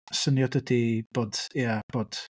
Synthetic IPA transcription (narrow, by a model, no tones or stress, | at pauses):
sənjɔdədib̥oːd̥iəb̥oːd̥